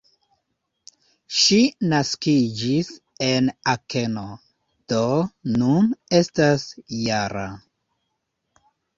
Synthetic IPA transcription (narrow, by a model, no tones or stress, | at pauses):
ʃinaskid͡ʒis | e̞nake̞no̞ | d̥o̞nune̞stasjaɾa